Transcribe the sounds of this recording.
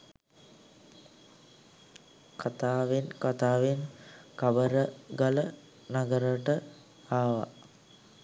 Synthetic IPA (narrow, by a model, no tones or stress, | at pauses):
kʰat̪aːʋenkat̪aːʋenkabəɾəɡalə | naɡəɾəʈə | aːʋa̰